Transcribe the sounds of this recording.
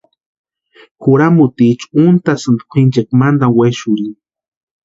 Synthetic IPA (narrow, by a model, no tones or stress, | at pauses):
kuɾamut̪it͡ʃunt̪asɨnd̪kʷʰint͡ʃekmand̪aweʃuɾi